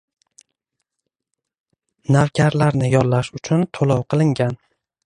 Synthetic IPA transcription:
nawkʲʰaɾlaɾnɪjɒɾlaʃʊt͡ʃʰʊnt̪ʰolˠɒwqʰɨlˠɪŋɡʲan

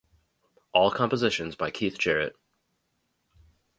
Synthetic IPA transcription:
ʔɔlˠkʰɑ̃mpəzɪʃɨ̃nzbaɪkʰiθd̥ʒ̥ɛɹɨ̰t̚

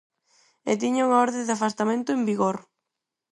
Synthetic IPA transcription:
ḛt̪̬iɲauŋaɔɾðẽnd̪afast̪amẽnt̪ʊembiɣoɾ

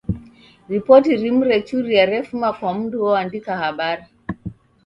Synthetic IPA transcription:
ɾipɔtiɾim̩ɾɛt͡ʃuɾiaɾɛfumakwam̩duɔandikahaɓaɾi

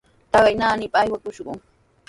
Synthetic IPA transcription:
t̪ɑɢɑjnaːnɪpaːjwakʊʃɢʊ̰ŋ

